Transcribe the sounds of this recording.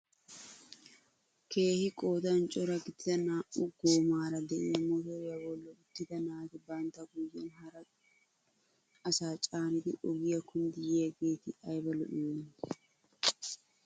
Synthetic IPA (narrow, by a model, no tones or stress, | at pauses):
ke̞ːhɪkʼoːt̪ɐnt͡ʃʼɔɾɐɡɪt̪ːɪt̪ɐnaːʔʊɡoːmaːɾɐd̪ɛʔɪɐmːoːt̪oɾjɐbolːɔɡʊt̪ːɪt̪ɐnaːk̪ɪbaːnt̪ɐɡujːɛnhɐɾɐ | ɐsaːt͡ʃʼaːnɪt̪ɪʔɔɡɪjɐkʰʊnd̪ɪjeɐɡeːt̪ɪɐjbɐlɔ̰ʔɪjon